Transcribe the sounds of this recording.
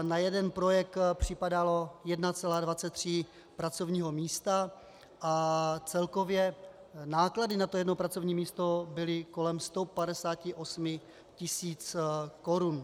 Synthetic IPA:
najɛdɛnpɾo̞jɛk̚t̪pr̝̥ɪpadalo̞jɛdnat͡sɛlaːdvat͡sɛt̪ːr̝̥ɪ | pɾat͡sovɲiːɦo̞miːst̪a | ʔat͡sɛlko̞vjɛnaːkladɪnat̪ojɛdnopɾat͡so̞vɲiːmiːst̪o̞bɪlɪko̞lɛmst̪opadɛsaːcɪʔo̞smɪ | cɪsiːt͡sko̞ɾun

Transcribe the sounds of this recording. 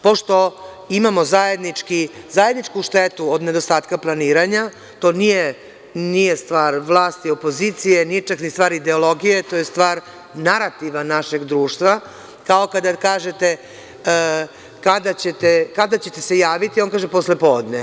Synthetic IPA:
po̞ʃt̪o̞ | imamo̞zaje̞d̪nit͡ʃki | zajed̪nit͡ʃkuʃt̪et̪uod̪ne̞d̪o̞st̪aːt̪kaplˠaniːɾaɲa | t̪o̞nije | nije̞st̪ʋaːɾʋlˠaːst̪io̞po̞zit̪sijenijet͡ʂaknist̪ʋaːɾid̪e̞o̞lˠo̞ɡijet̪ojest̪ʋaːɾ | naɾat̪iʋanaʃe̞ɡd̪ɾuːʃt̪ʋa | kao̞kad̪akaːʒet̪e | kad̪at͡ɕet̪ekad̪at͡ɕe̞t̪e̞se̞jaːʋit̪io̞nkaːʒepo̞slepoːd̪ne

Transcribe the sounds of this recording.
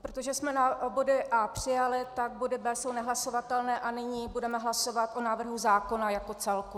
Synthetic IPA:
pɾot̪oʒɛsmɛnabo̞dɪʔaːpr̝̥ɪjalɪt̪aɡ̚bo̞dɪbɛːso̞wnɛɦlaso̞vat̪ɛlnɛːʔanɪɲiːbudɛmɛɦlaso̞vat̪ʔo̞naːvr̩ɦuzaːko̞najako̞t͡sɛlku

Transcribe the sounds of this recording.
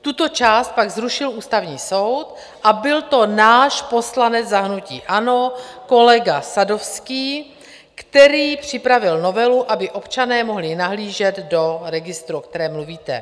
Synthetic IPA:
t̪ut̪o̞t͡ʃaːst̪̚paɡzɾuʃɪluːst̪avɲiːso̞wt̪ | ʔabɪlt̪o̞naːʃpo̞slanɛd͡zzaɦnucḭːʔano̞ko̞lɛɡasado̞fskiː | kt̪ɛɾiːpr̝̥ɪpɾavɪlno̞vɛluʔabɪʔo̞pt͡ʃanɛːmo̞ɦlɪnaɦliːʒɛd̪do̞ɾɛɡɪst̪ɾuokt̪ɛɾɛːmluviːt̪ɛ̰

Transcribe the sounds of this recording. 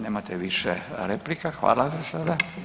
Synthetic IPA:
neːmat̪eʋiʃḛɾeplikaxʋa̰ːlasasad̪a

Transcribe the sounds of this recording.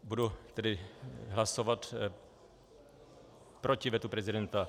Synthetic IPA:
budut̪ɛdɪɦlasovat̪ | pɾocɪvjɛt̪upɾɛzɪdɛnt̪a

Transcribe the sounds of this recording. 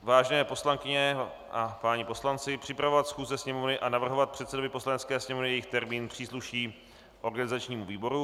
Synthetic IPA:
vaːʒɛnɛːpo̞slaŋkɪɲɛ | ʔapaɲɪpo̞slant͡sɪpr̝̥ɪpɾavo̞vat̪sxuːzɛsɲɛmovnɪʔanavr̩ɦo̞vat̪̚pr̥ɛt̪sɛdovɪpo̞slanɛtt͡skɛːsɲɛmovnɪjɛjɪxt̪ɛɾmiːnpr̝̥iːsluʃiː | ʔo̞ɾɡanɪzat͡ʃɲiːmuviːbo̞ɾu

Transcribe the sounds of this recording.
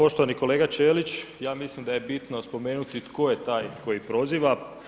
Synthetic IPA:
po̞ʃt̪oʋaniko̞leːɡat͡ʃeːlit͡ɕjaːmislimd̪aje̞bit̪nospo̞meːnut̪it̪kʰo̞jet̪aːjko̞jipɾo̞ziːʋa

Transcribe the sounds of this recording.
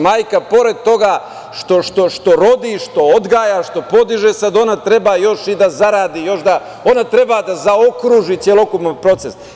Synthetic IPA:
maːjkapo̞ɾe̞d̪̚t̪o̞ɡa | ʃt̪o̞ʃt̪o̞ʃt̪o̞ɾo̞d̪iʃt̪o̞od̪ɡaːjaʃt̪o̞po̞d̪iʒesad̪o̞nat̪ɾe̞baːjo̞ʃid̪azaɾaːd̪iːjo̞ʃd̪a | o̞nat̪ɾe̞baːd̪azaokɾuːʒit̪sjelˠo̞kupnopɾo̞t̪ses

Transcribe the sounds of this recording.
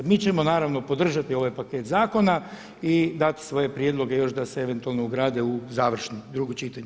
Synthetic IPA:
miːt͡ʃe̞mo̞naːɾaʋno̞po̞d̪r̩ʒat̪io̞ʋajpakeːt̪zaːko̞na | id̪at̪i̥sʋo̞je̞pɾjed̪lˠo̞ɡe̞jo̞ʃd̪aseeʋe̞nt̪ualˠnouɡɾaːd̪euzaːʋr̩ʃnid̪ɾuɡot͡ʃit̪aɲ

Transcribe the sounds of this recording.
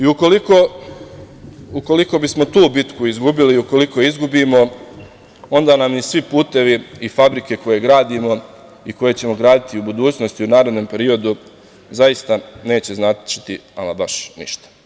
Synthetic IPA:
iukoliko | uko̞liko̞bismo̞t̪uːbit̪kuizɡubiliuko̞liko̞izɡubiːmo̞ | o̞nd̪aːnamnisʋipuːt̪e̞ʋiːfabɾike̞ko̞je̞ɡɾaːd̪imo̞ | iko̞je̞t͡ɕe̞mo̞ɡɾaːd̪it̪iubud̪uːt͡ɕnost̪iunaːɾe̞d̪no̞ːmpe̞ɾio̞d̪u | zajist̪ane̞ːt͡ɕe̞znat̪t͡ʃi̥t̪iamabaʃnḭʃt̪ḁ

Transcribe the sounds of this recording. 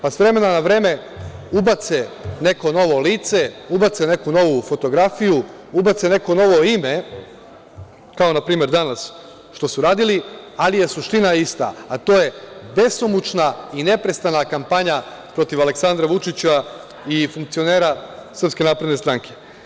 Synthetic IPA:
pasʋɾe̞me̞nanaʋɾe̞ːme̞ | ubat̪sene̞ko̞no̞ʋo̞liːt̪se̞ubat̪sene̞kuno̞ʋufo̞t̪o̞ɡɾafiju | ubat̪sene̞ko̞no̞ʋo̞ime̞ | kao̞napɾiːme̞ɾd̪anas | ʃt̪o̞suɾaːd̪ili | alije̞suʃt̪inaist̪a̰ːt̪o̞ːje̞be̞somut͡ʃnaine̞pɾe̞st̪anakampaɲa | pɾo̞t̪iʋale̞ksand̪ɾaʋut͡ʃit͡ɕa | ifuŋkt̪sio̞ne̞ːɾasr̩pske̞naːpɾe̞d̪nest̪ɾaŋkʰe̞̥

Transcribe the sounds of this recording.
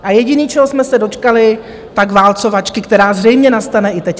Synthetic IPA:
ʔajɛɟɪniːt͡ʃɛɦosmɛsɛdo̞t͡ʃkalɪ | t̪akvaːlt͡so̞vat͡ʃkɪkt̪ɛɾaːzrɛjmɲɛnast̪anɛʔɪt̪ɛc

